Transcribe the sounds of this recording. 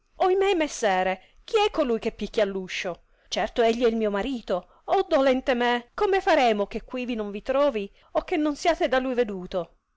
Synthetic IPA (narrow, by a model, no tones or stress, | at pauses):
oimemesːɛːɾe | k̟iɛkːolujkepːikːjalːuʃːo | t͡ʃɛrt̪oeʎːiɛilmiːomaɾiːt̪o | ɔd̪olɛnt̪emekomefaɾɛːmokekːwivinoɱvit̪ɾɔːvi | okːenːonsiaːt̪ed̪alujved̪uːt̪o